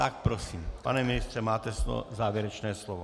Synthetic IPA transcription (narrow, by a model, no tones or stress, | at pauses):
t̪ak̚pɾɔsiːmpanɛminist̪ɾɛmaːt̪ɛslɔ̰zaːʋjɛɾɛt͡ʃnɛːslɔʋɔ